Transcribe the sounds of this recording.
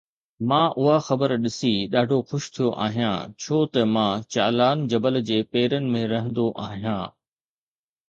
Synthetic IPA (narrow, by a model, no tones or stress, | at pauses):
mãːʔʊɦaxɐbəɾɗɪsiɗaːɖʱoxʊʃt̪ʰijoʔa̰ːɦijã̰t͡ɕʰoːt̪ɐmãːt͡ɕa̰ːlaːnd͡ʑɐbəld͡ʑeːpeːɾənɪ̆mẽɾɐɦə̃nd̪oʔaːɦijãː